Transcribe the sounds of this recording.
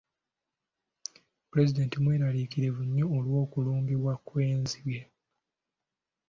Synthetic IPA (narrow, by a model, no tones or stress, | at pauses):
puɾe̞zide̞ntimweːɾalikiɾe̞vuɲːoːlwo̞ːkuluːmbiβwakweːnziβje